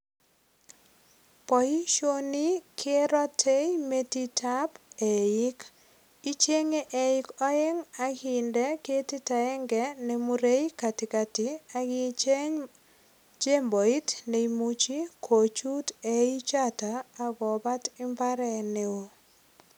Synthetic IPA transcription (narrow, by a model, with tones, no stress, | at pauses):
pɔ˨i˦ʃo˦ni˦kʰe˦ɾɔ˦tʰe˦ime˦ti˦tʰa˦pe˨ɪ˦k | i˦t͡ʃe˦ŋe˦ʔe˨ɪ˦kɔ˦e˦ŋa˦ɡi˨ndɛ˦ke˦ti˦ta˨ɛ˦ŋɡɛ˨ne˨muɾe˦i˦ka˨tɪ˨ka˨tɪ˨a˦ɡɪt͡ʃe˦ɲ | d͡ʒe˦mbo˨i˦tne˨imut͡ʃi˦kʰo˨t͡ʃu˦te˨i˦t͡ʃa˦taː˨˦ɡɔ˨ba˦tɪ˦mba˦ɾɛ˨ne˨o˦